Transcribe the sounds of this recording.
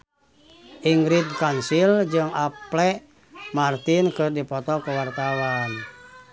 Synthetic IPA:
ʔiŋɡɾit̪̚kansild͡ʒɨŋaplɛ | mart̪inkɨrdipɔt̪ɔkuwart̪awan

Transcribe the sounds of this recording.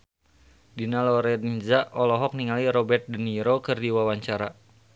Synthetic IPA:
dinalɔɾɛnzaʔɔlɔɦɔk̚niŋaliɾɔbɛrt̪̚dəniɾokɨrdiwawaɲt͡ʃaɾa

